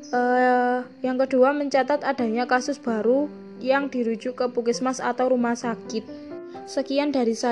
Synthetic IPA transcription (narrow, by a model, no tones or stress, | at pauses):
ʔə | jaŋkəd̥uaməɲt͡ʃat̪at̪ad̥a̤ɲakasʊsb̥a̤ɾu | jaŋd̪̥i̤ɾud̥d͡ʒ̥ṳʔkəpukɪsmasa̰t̪awɾumahsakɪt̪̚ | səkijanda̤ɾisa